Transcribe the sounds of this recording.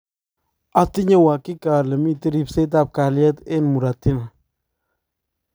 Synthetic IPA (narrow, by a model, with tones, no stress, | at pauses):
a˦ti˦ɲe˦wa˨kɪ˦ka˨lə˨mi˦te˦ɾi˦pse˦t̬a˨p̚ka˨ljɛ˦t̪ɪ˦nmu˨ɾa˨tɪ˦na˨